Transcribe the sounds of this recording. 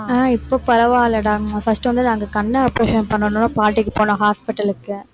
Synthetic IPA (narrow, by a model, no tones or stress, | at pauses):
aːɪpːoːpɐɾɐʋaːlːɐɽaːŋnaːfɐsʈːɯʋɐnd̪ɯnaːŋɡɐkɐnːɐɐpːɾeːʂɐnpɐɳːɐnõːnːapaːʈːɪkːɯpoːnõːɦaːspɪʈːɐlɯkːɯ